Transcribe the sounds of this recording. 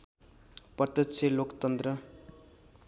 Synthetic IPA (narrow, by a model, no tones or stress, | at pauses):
pʌt̪ʌtt͡sʰelokt̪ʌnt̪ɾʌ